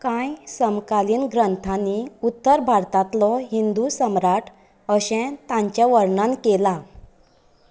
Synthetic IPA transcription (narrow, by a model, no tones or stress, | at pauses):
kãjsəmkaliːnɡɾənt̪ʰaniut̪ːəɾbʱaɾt̪ãt̪lɔɦind̪usəmɾaʈ | əɕɛ̃t̪ãɲt͡ɕjaʋəɾɳãnkela